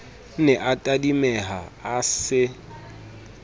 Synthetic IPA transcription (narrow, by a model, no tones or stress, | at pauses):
nɛʔatʼadimɛɦaasɪ